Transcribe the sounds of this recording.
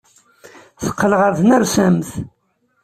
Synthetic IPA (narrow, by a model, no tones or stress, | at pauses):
θə̥qːələʁəɾðnæɾsæmθ